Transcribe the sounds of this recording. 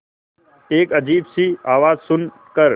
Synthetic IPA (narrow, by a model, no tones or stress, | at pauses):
eːkəd͡ʒiːbsiːaːʋaːzsʊn | kəɾ